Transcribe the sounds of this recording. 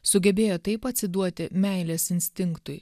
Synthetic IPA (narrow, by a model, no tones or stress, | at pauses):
sʊɡʲɛbʲeːjoːt̪ɐɪpɐt̪ʲsʲɪd̪uɔt̪ʲɪmʲɛɪlʲeːsɪnʲsʲt̪ʲɪŋkt̪ʊj